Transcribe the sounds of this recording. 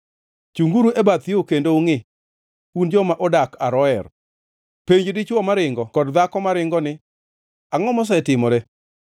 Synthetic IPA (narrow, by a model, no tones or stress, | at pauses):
t͡ʃuŋɡuɾuʔebat̪ɪokendouŋɪ | und͡ʒɔmaʔɔdakaɾɔɛr | peɲd͡ʒdɪt͡ʃwɔmaɾɪŋɡɔkɔdd̪akɔmaɾɪŋɡɔnɪ | aŋɔmɔs̬ɛtɪmɔɾe